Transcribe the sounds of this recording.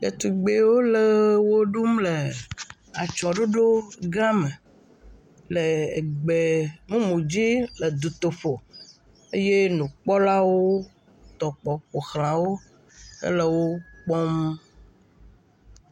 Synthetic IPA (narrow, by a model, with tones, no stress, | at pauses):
ḛ˨t̪u˨ɡ͡be˨wo˦le˨wo˦ɖu˦mle˨ | a˨t͡ʃɔ˨ɖo˦ɖo˦ɡã˦me˨ | lḛ˨ɡ͡be˨mũ˦mũ˨d͡ʑi˦le˨d̪u˨t̪o˨fo˨ | e˦je˦nũ˨k͡pɔ˦la˦wo˦ | t̪ɔ˨k͡pɔ˨k͡po˨xlã˨wo˦ | ḛ˦le˨wo˦k͡pɔ˦m˦